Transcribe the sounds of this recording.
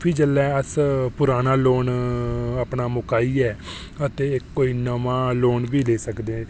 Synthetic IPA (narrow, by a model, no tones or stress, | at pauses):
pʰid͡ʒəlːɛːəspʊɾaːnaːloːnəpnaːmʊkaːiːɛː | ət̪eːɪkːoːiːnəʋãːloːnʋiːleːsəkd̪ẽː